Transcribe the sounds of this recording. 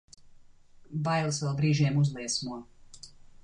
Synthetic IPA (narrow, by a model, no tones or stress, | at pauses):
bajlˠɨsvɛlˠbɾiːʒiɛmuzlˠiɛsmuɔ